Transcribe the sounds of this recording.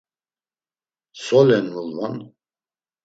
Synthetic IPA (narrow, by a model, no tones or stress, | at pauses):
sɔlɛnulvan